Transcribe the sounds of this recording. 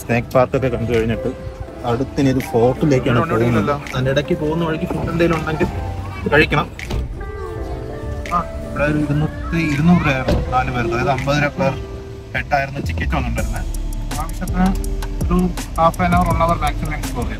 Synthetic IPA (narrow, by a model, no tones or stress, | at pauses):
sne̞ːk̚paːrk̪ot̪ːekɐɳɖuɨkɐɻiɲːiʈːɨ | ɐɽut̪ːiniðufo̞ːʈːile̞ːkʲːaːɳɨɐɳɖeɐːkɐnɐlːonɐndiɽɐkʲːɨpo̞ːɣunːɐʋɐɻik̬ʲːifuːɳɖend̪ejiluɳɖeŋɡil | kɐɻikʲːɐɳɐm | aiʋiɽeoɾuiɾunːuɨiɾunːuːʈɾaːjiɾunːunaːnuʋɐɾunːɐðaɐðɨɐmbɐðɐɾɐpːeːr | peʈːaːjiɾunːut͡ɕikʲːɐt͡ɕːɨʋɐnːuɳɖaɐɾunːɐaːʋɐɕɐt̪ːɐnɐɾuaːfeːnɐʋɐruɭːɐʋɐrbaːk̚t͡ɕɐrleŋɡilpoːɣa